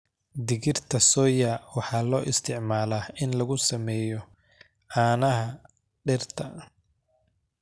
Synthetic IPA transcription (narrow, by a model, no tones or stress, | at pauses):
d̪ɪɣɪrt̪ʰɐsɔːjɐwɑħɑːlɔːʔɪst̪ʰɪʕmaːlaːɪnlɐɣʊsɐmɛːjɔ | ʔaːnɐɦɐ | ɖɪrt̪ʰɐ